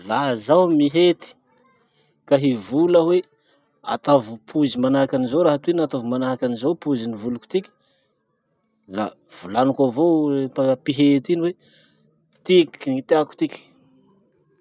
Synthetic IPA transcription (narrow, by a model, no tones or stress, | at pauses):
lazawmiɦet̪i̥ | kaɦivuləwe | a̰t̪ovupʰuzimanaakanizoɾaɦat̪uinat̪ovumanaakanizowpuzinivuluku̥t̪ikʲi̥ | la̰ | v̥ulanakavopapiɦet̪iniwe | t̪iknit̪eaku̥t̪ikʲi̥